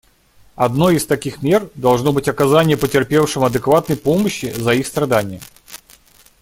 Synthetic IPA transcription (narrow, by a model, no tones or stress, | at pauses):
ɐd̪no̞jɪst̪ɐkʲixmʲe̞rd̪ɐlˠʐno̞bɨtʲɐkɐzanʲɪjəpətʲɪrpʲefʂɨmɐd̪ɨkvat̪̚nəjpoməɕːɪzɐixst̪ɾɐd̪anʲɪjə̰